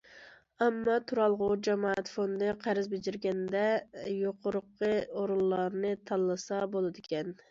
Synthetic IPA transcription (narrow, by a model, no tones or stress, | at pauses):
æmːɑt̪ʰuɾɑlˠʁʊd͡ʒɛmɑæt̪fond̪ɨqʰæɾɪzbɪd͡ʒɪɾɡʲɛnd̪ɛjoqʰʊɾʊqːəoɾulˠːɑɾnɨt̪ʰɑlˠːɨsɑbolˠɨd̪ɪkʲʰɛn